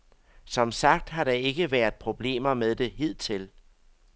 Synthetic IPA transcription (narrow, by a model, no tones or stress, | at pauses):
sɒ̽msɑ̈ɡ̥̚d̥ɦɑ̈ɾ̥ɑ̈e̝ɡ̥əʋæɐð̥ˠpʰʁo̝b̥le̝̰ːmɐmeðˠd̥e̝ɦið̞̰ˠt͡sʰe̝l